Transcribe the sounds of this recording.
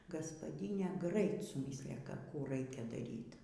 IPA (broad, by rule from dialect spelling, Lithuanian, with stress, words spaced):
ɡɐspɐˈdʲiːnʲeː ˈɡrɐɪt sʊˈmʲiːsʲlʲɪjɛ ˈkɑː ˈkuː ˈrɐɪkʲɛ dɐˈrʲiːt